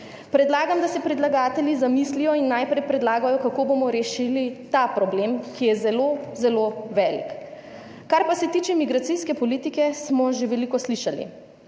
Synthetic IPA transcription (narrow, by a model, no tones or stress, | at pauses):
pɾɛd̪laːɡamd̪asɛpɾid̪laɡaːt̪ɛljizamislijɔinːajpɾɛjpɾɛd̪laːɡajɔkakoːbomɔɾɛʃilit̪apɾɔblemkijɛzɛlozɛloʋɛlḭk | kaɾpasɛt̪iːt͡ʃɛmiɡɾat̪siskɛpɔliːt̪ikɛsmɔʒeʋɛlikɔsliʃalḭ